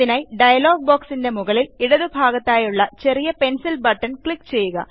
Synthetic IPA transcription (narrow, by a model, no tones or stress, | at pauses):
inaːjɖɐjɐloːɡ̚boːksinde̞muɣɐliliɽɐðɨbʱaːɣɐt̪ːaːjuɭːɐt͡ɕe̞rijɐpensilbɐʈːɐnkɭikːt͡ɕe̞jːuɣɐ̰